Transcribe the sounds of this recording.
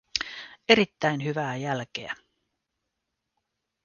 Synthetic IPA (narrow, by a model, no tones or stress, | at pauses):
e̞ɾit̪ːæjnɦyʋæːjælk̟ḛæ